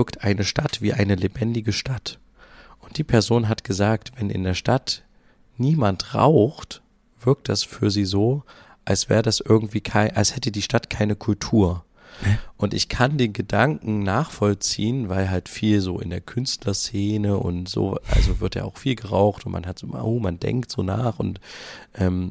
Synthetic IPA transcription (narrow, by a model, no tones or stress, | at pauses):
ktʔaɪnəʃtatv̥iːʔaɪnəlebɛndɪɡəʃtʰat | ʔʊnt̚d̥iːpʰɛɐzoːnɦatɡ̥əzaːktv̥ɛnʔɪ̰ndeːɐʃtat | niːmantʁa̰ʊxt | v̥ɪɐk̚td̥asfyːɐziːzoː | ʔalsv̥ɛːʁədasʔɪɐɡŋ̩tv̥iːkʰaɪʔalshɛtədiːʃtatkʰaɪnəkʰʊltʰuːɐ | ʔʊntɪ̰çkʰandeːmɡədaŋkŋ̩naːχfɔlt͡siːənvaɪlɦaltfiːlzoːɪ̰ndeːɐkʰʏnstlɐseːnəʔʊ̰ntz̥o̰ːʔa̰lzovɪɐtja̰ːa̰ʊxfiːlɡəʁaʊxtʊntma̰nhatz̥o̰ːmʔoːmandɛ̰ŋktz̥o̰ːna̰ːχʊ̰ntʔɛːm